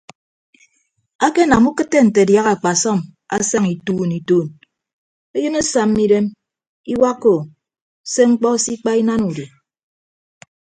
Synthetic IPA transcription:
a˦ke˦na˨mu˦kɨ˦tːe˦n̩˨te˨dja˦ɣa˨k͡pa˨sɔ˦˨ma̰˦sa˦ŋi˨tuː˦˨ni˨tuː˦˨n | e˦jɨ˦ne˦sa˨mːi˦ɾe˦m | i˦wa˦kːo˨ | se˦ŋ͡m̩˦k͡pɔ˦si˦k͡pa˦i˦na˦nu˨di˨

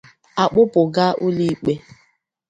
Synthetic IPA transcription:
a˨k͡pʊ˦pʊ˨ɡa˦ʔu˦li˦k͡pe˦

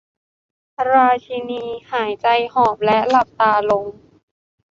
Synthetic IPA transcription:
pʰa˧ɾaː˧t͡ɕʰi˧niː˧haː˩˦jt͡ɕa˧jhɔː˨˩p̚lɛ˦˥la˨˩p̚t̪aː˧lo˧ŋ

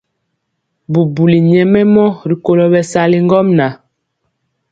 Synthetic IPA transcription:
bu˨bu˨li˨ɲɛ˨mɛ˦mɔ˦ɾi˨ko˨lɔ˨bɛ˨sa˨li˦ŋɡɔ˦mna˨

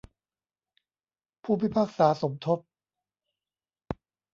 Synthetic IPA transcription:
pʰuː˥˩pʰi˥˩pʰaː˥˩k̚saː˩˦so˩˦mt̪ʰo˦˥p̚

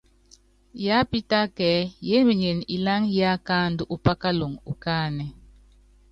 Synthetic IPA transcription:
ja˦pi˦ta˦kɛ˨˦je˦mi˨ɲe˨ni˨la˦ŋja˦ka˦ndu˦ʔu˨pa˦ka˦lo˨ŋu˨ka˦˨nɛ˨

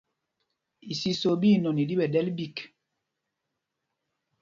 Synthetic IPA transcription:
i˨si˦so˨bi˦˨nɔ˨ni˨di˦ɓɛ˨dɛ˦lbi˦˨k

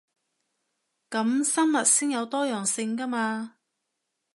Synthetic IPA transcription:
kɐ˨˥msɐ˥nmɐ˨t̚siː˥ŋjɐ˨˧wt̪ɔː˥jœː˨˩ŋsɪ˧ŋkɐ˥maː˧

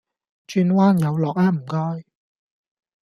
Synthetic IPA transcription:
t͡ʃyː˧nwaː˥njɐ˨˧wlɔː˨k̚aː˥m̩˨˩kɔː˥j

